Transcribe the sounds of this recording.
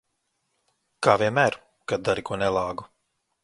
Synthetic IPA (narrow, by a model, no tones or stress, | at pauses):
kaːvʲiɛmæːɾ | kad̪̚d̪aɾikuɔnɛlˠɑːɡu